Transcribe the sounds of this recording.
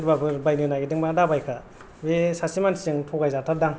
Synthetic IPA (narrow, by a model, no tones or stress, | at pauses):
ɾbabʰɯɾbajnɯnaɡidɯŋmaːdabajkʰa | besasimansɯŋtʰɔɡajzatʰadaŋ